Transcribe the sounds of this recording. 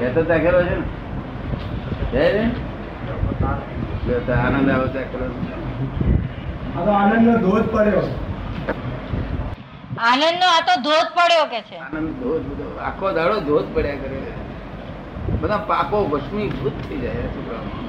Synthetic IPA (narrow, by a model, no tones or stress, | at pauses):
d͡ʒat̪ot̪akʰelot͡ʃʰen | d͡ʒane | d͡ʒet̪anə̃nd̪aɽot̪akʰelonũt͡ʃe | at̪oanənd̪ːod̪ʱod̪pəɽjo | anənd̪noat̪od̪ʱod̪̚pəɽjokɛt͡ʃʰeanənd̪d̪ʱod̪bəd̪oa̰kʰod̪aɽod̪ʱod̪pəɽjakəɾokeee | bəd̪ãpakoʋəʃmibʱut̪̚t̪ʰəid͡ʒajesukɾə